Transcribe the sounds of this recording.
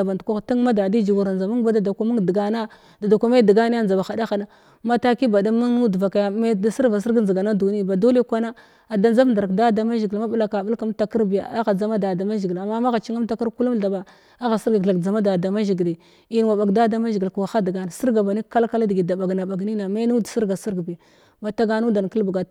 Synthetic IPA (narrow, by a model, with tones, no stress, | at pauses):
ba˨ntku˦˨ta˦ŋ˦ma˦da˨di˦d͡ʒi˨ɡu˨ɾa˨nd͡za˨ma˦ŋ˦ba˦da˨da˨kʷa˦ma˦dɡa˨na˦ | da˨da˨kʷa˦me˦di˨ɡa˦ni˦a˦nd͡za˨ba˨xa˨da˦xa˨na˦ | ma˦ta˦ki˦ba˨da˦ma˦ŋnu˦dva˨ka˨ja˨˦me˦da˦si˦ɾva˨s̬i˦ɾɡnzi˨ɡa˨na˦du˨ni˦˨ba˨do˦le˦kʷa˦na˦ | a˨da˦nd͡za˦vnda˨ɾa˨kda˦da˨ma˦ʒi˨ɡi˨lma˦ba˦la˨ka˨bu˦lka˦m˦ta˨ki˦ɾbi˨ja̰˨a˦ɣa˨d͡za˨˦ma˦da˨da˨ma˦ʒi˨ɡi˨la˨mːa˦ma˦ɣa˨t͡ʃi˦ŋa˦mta˦ka˦ɾku˦lu˦mɬa˨ba˨ | a˦ɣa˨si˦ɾɡa˨ɮa˨kd͡za˨ma˦da˨da˨ma˦ʒi˨ɡli˨ | i˦n˨wa˨ɓa˨ɡda˦da˦ma˦ʒi˨ɡi˨lkwa˨xa˦dɡa˨na˨si˦ɾɡa˨ba˨ni˦ka˦lka˦la˦dɡi˨da˨ba˨ɡna˨ba˨ɡni˦na˨ma˦nu˦dsi˦ɡa˨si˦ɾɡbi˨ | ma˨ta˦ɡa˦nu˦da˨n˨ki˦lbɡa˨